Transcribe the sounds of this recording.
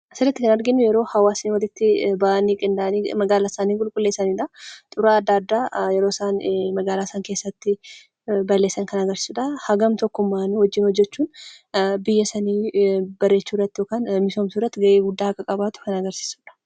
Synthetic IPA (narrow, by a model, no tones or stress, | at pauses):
sɪlɐt̪ːɪkɐnɐɾɡɪnːʊjɛɾo̞ːhɐwaːsɪnwɐlɪt̪ːɪbaʔniːkʼɪnd̪aʔɐnimɐɡaːlaːsaːniːŋkʼʊlkʼʊlːe̞ːsɐniːᶑɐt̪ʼʊɾaːɐd̪ːaːd̪ːaːjɛɾo̞ːsaːnmɐɡaːlaːsaːŋke̞ːsːɐt̪ːɪ | bɐlːe̞ːsːɐŋkɐnɐɡɐɾsɪ̥suᶑɐhɐɡɐmt̪ɔkːʊmːaːnhɔd͡ʒːɪnhɔd͡ʒːɛt͡ʃːuːn | bɪjːɐsɐniːb̥ɐrːet͡ʃːuːrːɐt̪ːɪjoːkaːnmɪsoːmsurːɐt̪ːɪɡɐʔeːɡʊd̪ːaːhɐkʼːɐkʼɐbaːt̪ʊ̥kɐnɐɡɐɾsi̥ːsu̥ːᶑɐ̥